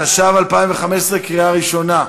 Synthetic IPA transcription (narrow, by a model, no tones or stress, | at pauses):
aʃavalpaimveχamesʁekʁiaʁiʃo̞na